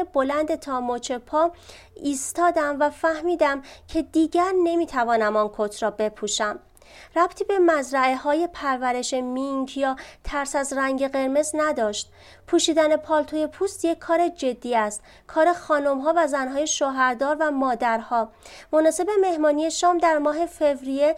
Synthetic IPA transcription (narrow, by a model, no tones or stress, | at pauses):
ebolænd̪e̞t̪ʰɒːmot͡ʃʰe̞pʰɒː | iːst̪ɒːd̪æmvæfæhmiːd̪æmcʰe̞d̪iːɟæɾne̞miːt̪ʰævɒːnæmɒnkʰot̪ʰɾɒːbe̞pʰuːʃæm | ræb̥t̪ʰiːbe̞mæzɾæehɒːje̞pʰæɾvæɾe̞ʃemiŋkʰjɒːt̪ʰæɾsæzræŋɟe̞ɣe̞ɾme̞znæd̪ɒːʃt̪̚ | pʰuːʃiːd̪æne̞pʰɒːlt̪ʰoje̞pʰuːst̪jecʰːɒːɾe̞d͡ʒe̞d̪ːiːæst̪ | kʰɒːɾe̞xɒːnomɦɒːvæzænɦɒːje̞ʃoːɦæɾd̪ɒːɾvæmɒːd̪æɾhɒːmonɒːse̞be̞me̞hmɒːnije̞ʃɒːmd̪æɾmɒːɦe̞fe̞vɾije̞